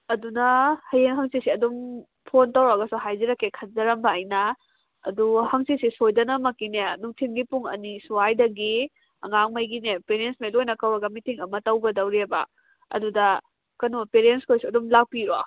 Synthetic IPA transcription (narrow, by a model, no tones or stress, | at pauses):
ɐdunɐhɐjeŋɦɐŋsisiɐdum | pʰontawɾaɡɐsuɦajziɾɐkːekʰɐnzɐɾɐmbɐːjnɐ̰ː | duhɐŋsisisojdɐnɐmɐkːinenuŋtʰimɡipuŋɐ̰nisuwajdɐɡi | ɐ̰ŋaŋmɐjɡinepeɾensmajlojnɐkawɐɡɐmitiŋɐmɐtɐwɡɐdɐwɾebɐ̰ | ɐ̰dudɐ | kɐnopeɾenskʰojsuɐdumlak̚piɾo